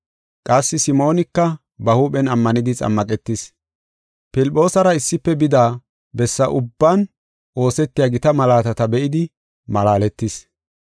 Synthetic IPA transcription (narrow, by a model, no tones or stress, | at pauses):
kʼɐsːɪsɪmo̞ːnɪkːɐ | bɐhuːpɛnɐmːɐnɪd̪ɪt͡sʼɐ̰mːɐkʼɛt̪ːɪs | pɪlpʼːo̞ːsɐɾɐɪsːɪpːɛbɪd̪aː | bɛsːɐʔʊbːɐn | o̞ːsɛt̪ːɪjaːɡɪt̪ɐmɐlaːt̪ɐt̪ɐbɛʔɪd̪ɪ | mɐlaːlɛt̪ːɪs